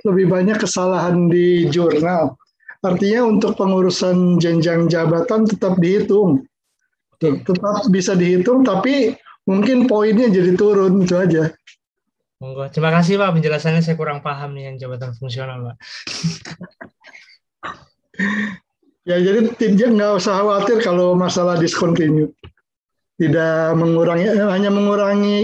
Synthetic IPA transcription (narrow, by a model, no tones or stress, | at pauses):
ləbɪhbaɲakːəsalaɦandid͡ʒurnal | art̪iɲaunt̪ʊk̚pəŋuɾusand͡ʒaŋd͡ʒaŋd͡ʒabat̪ant̪ət̪ap̚dihit̪ʊŋ | t̪t̪ət̪ap̚bisadiɦit̪ʊŋt̪apimuŋkɪnpoɪnɲad͡ʒadit̪uɾʊnɡit̪uad͡ʒa | uŋɡot̪ɾimakas̬ɪhpaʔpəɲd͡ʒəlasanɲas̬ajakuɾaŋpaɦamnijaŋd͡ʒabat̪anfuŋsionalpaʔ | jad͡ʒadit̪id͡ʒaŋɡaʔusahawat̪ɪrkalomasalahdiskɔnt̪iɲu | t̪idaʔməŋuɾaŋihaɲaməŋuɾaŋi